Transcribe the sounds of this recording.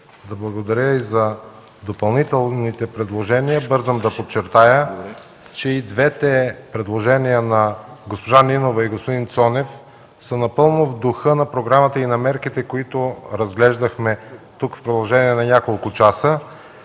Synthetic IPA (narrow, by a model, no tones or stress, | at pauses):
d̪ɐblˠɐɡod̪ɐɾʲəizɐ | d̪opɐlˠnit̪ɛlˠnit̪ɛpɾɛd̪lˠoʒɛnijəbɤɾzəmd̪ɐpott͡ʃːɛɾt̪ajə | t͡ʃɛid̪vɛt̪ɛpɾɛd̪lˠoʒɛnijənɐɡospoʒaninovɐiɡospod̪int̪sɔnɛf | sənɐpɤlˠnovd̪ʊxɤnɐpɾoɡɾamət̪əinɐmɛɾkit̪ɛkoit̪ʊɾɐzɡlɛʒd̪ɐxmɛt̪ukfpɾod̪ɐlˠoʒɛniɛnɐnʲakolˠkʊt͡ʃasə